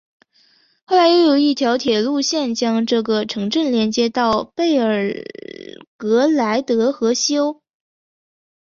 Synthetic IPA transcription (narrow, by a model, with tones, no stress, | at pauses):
xo˥˩ʊla˧˥ɪjɛ˧˥jo˨˩ʊi˥˩t̪ʰjɑ˧˥ʊt̪ʰjɛ˨˩lu˥˧ɕjɛ˥˩nt͡ɕjɑ˥ŋʈ͡ʂɤ˥˩ɡə˩ʈ͡ʂʰɤ˧˥ŋʈ͡ʂə˥˩nljɛ˧˥nt͡ɕjɛ˥t̪ɑ˥˧ʊpe˥˩ɪə˞˨˩ | kɤ˧˥la˧˥ɪt̪ɤ˧˥xɤ˧˥ɕjo˥ʊ